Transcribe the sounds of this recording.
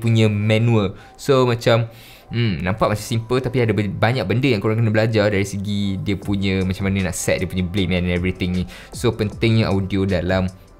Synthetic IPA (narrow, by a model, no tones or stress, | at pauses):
puɲə̃mɛ̃nũəl | somãt͡ʃam̩ | nãmpaʔ̚mat͡ʃamsimpəlt̪apiadabaɲãk̚bəndəjãŋkoɾaŋkənabəlad͡ʒardaɾisəɡidiəpuɲə̃mat͡ʃamːanənãʔsɛt̪̚diəpuɲəbleʔ̚mɛ̃nɛ̃nɛvɾit̪ɪŋni | sopənt̪ɪŋɲəʔawdiodalam